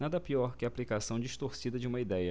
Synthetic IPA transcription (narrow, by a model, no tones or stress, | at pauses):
nad̪ɐpiɔɾkɪɐaːplikasɐ̃w̃d͡ʒiʃt̪oɾsid̪ɐd͡ʒɪũmɐid̪ɛjɐ